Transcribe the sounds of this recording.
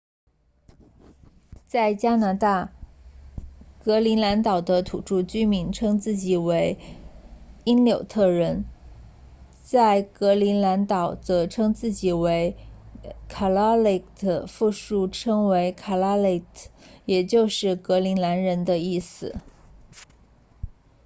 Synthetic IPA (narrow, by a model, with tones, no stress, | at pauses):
t͡sa˥˩ɪt͡ɕja˥na˧˥t̪a˥˩ | kɤ˧˥li˧˥nla˧˥nt̪ɑ˨˩ʊd̪ə˦t̪ʰṵ˨˩ʈ͡ʂu˥˩t͡ɕy˥mi˧˥nʈ͡ʂʰɤ˥ŋt͡sɹ̩˥˩t͡ɕi˨˩we˧˥ɪ | i˥nljo˨˩ʊt̪ʰɤ˥˩ɻə˧˥n | t͡sa˥˩ɪkɤ˧˥li˧˥nla˧˥nt̪ɑ˨˩ʊt͡sɤ˧˥ʈ͡ʂʰɤ˥ŋt͡sɹ̩˥˩t͡ɕi˨˩we˧˥ɪ | kʰa˨˩la˥le˥˩ɪd̪ə˦fu˥˧ʂu˥˩ʈ͡ʂʰɤ˥ŋwe˧˥ɪkʰa˨˩la˥le˥˩jɛ˨˩t͡ɕjo˥˧ʊʂɻ̩˥˩kɤ˧˥li˧˥nla˧˥nɻə˧˥nd̪ə˧i˥˩sɹ̩˨˩